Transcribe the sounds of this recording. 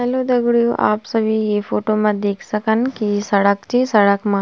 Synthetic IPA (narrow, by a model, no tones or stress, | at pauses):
ɐlud̪ɐɡɽjuʔa̰ːpsɐʋiepʰoːʈoːmɐd̪eːkʰsɐkɐnkisɐɽɐkt͡ʃisɐɽɐkma